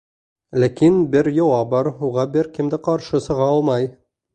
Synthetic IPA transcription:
lækinbɘɾjɑwɑbɑɾuʁɑbɘɾkɘ̆md̪ɘqɑɾʃɤsɤ̆ʁɑɒlˠmɑj

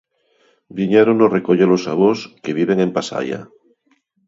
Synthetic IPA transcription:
biɲaɾonorekoʎelosaβoskeβ̞iβeŋempasa̰ja̰

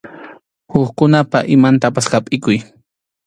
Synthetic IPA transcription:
hʊχkʊnapaʔɪmant̪apashapʼɪkʊj

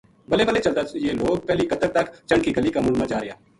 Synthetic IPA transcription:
bəleːbəleːt͡ʃəld̪aːjeːloːɡ̚pɛːliːkət̪əɾt̪əkt͡ʃəɳkiːɡəliːkaːmʊlmãd͡ʒaːɾɪja̰ː

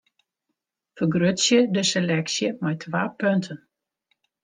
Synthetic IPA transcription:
fərɡrøtsjədəselɛksjəmɛjtʰʋaːpøntʰən

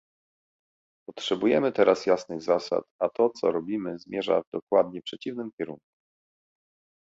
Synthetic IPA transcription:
pɔtʂɛbujɛmɘt̪ɛɾasjasnɘɣzasa̰t̪at̪ɔt̪sɔ̰ɾɔbʲimɘzmʲjɛʐa̰vd̪ɔkwad̪ɲɛpʂɛt͡ɕivnɘmkʲɛɾuŋku̥

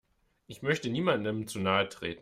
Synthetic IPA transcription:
ʔɪçmœçtəniːmandəmt͡suːnaːətʁ̥ḛːtn̩

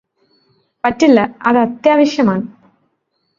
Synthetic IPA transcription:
pɐtːilːɐɐðɨɐt̪jaːʋɐɕjɐmaːɳɨ

